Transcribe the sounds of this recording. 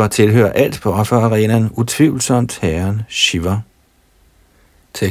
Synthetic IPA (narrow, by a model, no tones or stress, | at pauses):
ɐt͡sʰe̝lɦø̰ːɐʔæl̰d̥b̥ʰɒfɒɑʁɛːnænut͡sʰʋiʊl̩sɒ̽m̰d̥hæːɐnɕiʋɐ